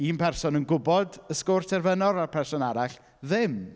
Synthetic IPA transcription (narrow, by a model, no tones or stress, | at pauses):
iːnpʰɛrsɔnənɡʊbɔdəskoːrtʰɛrvənɔɾarpʰɛrsɔnaɾaɬ | ðɪm